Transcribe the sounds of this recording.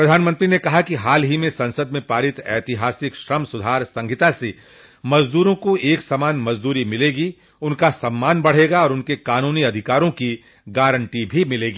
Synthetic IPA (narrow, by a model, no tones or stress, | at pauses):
pɾɐd̪ʱaːnmə̃nt̪ɾinekɐɦakiɦaːlɦimẽsɐ̃nsəd̪mẽpaːɾɪt̪ɛːt̪ɪɦaːsɪkʃɾɐmsʊd̪ʱaːɾsɐ̃ŋɡʱɪt̪ase | mɐd͡ʒd̪uːɾõkoeːksɐmaːnmɐzd̪uːɾimɪleːɡi | ʊnkasɐmːaːnbɐɽ̤eːɡaɔːɾʊnkekaːnuːniɐd̪ʱɪkaːɾõki | ɡaːɾə̃ɳʈibʱimɪleːɡiː